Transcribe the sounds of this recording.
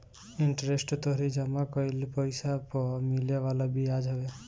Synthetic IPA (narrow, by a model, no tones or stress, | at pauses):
iɳʈɔɾesʈɔt̪ɔɦɾid͡ʒamakɔilpɔjsapɔmilɔʋalɔbiad͡ʒɦɔbe